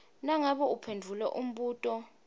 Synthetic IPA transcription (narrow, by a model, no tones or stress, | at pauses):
naŋaɓɔupʰendʱulɛ̰ʔum̩ɓuːtʼɔ